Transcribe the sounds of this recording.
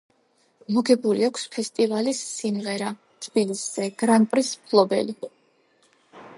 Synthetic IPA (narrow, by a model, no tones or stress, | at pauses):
mɔɡɛbuɾiakʷʰspʰɛst̪ʼivalisːimʁɛɾa | t̪ʰb̥ilisz̥ɛɡ̥ɾanpʼɾispʰlˠɔbɛ̰li